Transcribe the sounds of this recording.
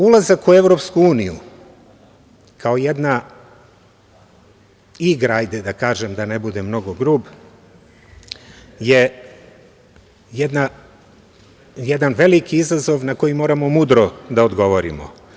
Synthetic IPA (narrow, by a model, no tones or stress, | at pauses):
ulˠazakueʋɾo̞pskuuːnijṵ | kaojed̪na | iɡɾajd̪ed̪akaːʒemd̪ane̞bud̪e̞mno̞ɡoɡɾuːb | je | jed̪na | jed̪anʋe̞likiizazo̞ʋnako̞jimoːɾamo̞mud̪ɾod̪aod̪ɡo̞ʋoɾḭmo̰